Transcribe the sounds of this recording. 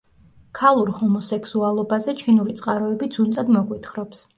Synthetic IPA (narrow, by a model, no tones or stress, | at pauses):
kʰalˠuɾhɔmɔsɛkʰsualˠɔbazɛt͡ʃʰinuɾit̪sʼqʼaɾɔɛbid̪zunt̪ʼad̪mɔɡwit̪ʰχɾɔps